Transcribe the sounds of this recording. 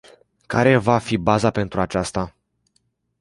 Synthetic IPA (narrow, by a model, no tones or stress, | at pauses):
ka̰ɾe̞vafibazape̞nt̪ɾuat͡ʃast̪a